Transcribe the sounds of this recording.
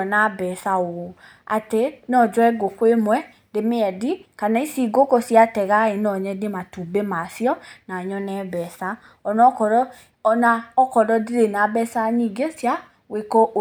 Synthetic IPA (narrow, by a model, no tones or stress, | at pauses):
ɔnabɛsaoo | a̰tɛnɔ̃d͡ʒɔɛɡokwemɛ | demeɛdikanaisiɡokɔsiatɛɣaenɔ̃ɲɛdematubemasjɔnaɲɔnɛbɛsa | ɔnɔkɔɾɔ | ɔnaɔkɔdɔdiɾenabɛsaɲiɡesja | wekɔʔ